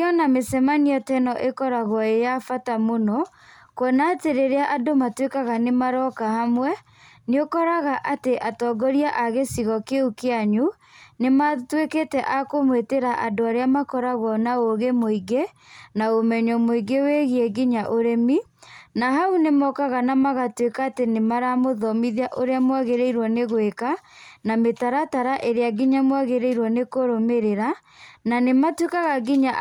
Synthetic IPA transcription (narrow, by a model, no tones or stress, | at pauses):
ɔnamesɛmaniɔtɛnɔʔekɔɾaɣwɔejafatamonɔ | kwɔnateɾeɾeaʔadomatwekaɣanemaɾɔkahamwɛ | neokɔɾaɣaʔateʔatɔːɡɔɾiaʔaɣesiɣɔkeukeaɲu | nematweketɛʔakomweteɾaʔadoaɾeamakɔɾaɣwɔnaoɣemoiɡe | naomɛɲɔmoiɡeweɣiɛɡiɲaʔoɾemi | naɦaunemɔkaɣanamaɣatwekaːtenemaɾamoðɔmiðiaʔoɾeamwaɣeɾeiɾwɔneɣwekanametaɾataɾaʔeɾeaɡiɲamwaɣeɾeiɾwɔnekoɾomeɾeɾa | nanematwekaɣaɡiɲa